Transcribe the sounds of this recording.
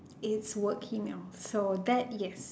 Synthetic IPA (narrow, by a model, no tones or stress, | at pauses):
ɪtswɜˑ˞kʰimelˠsoʊðætjɛs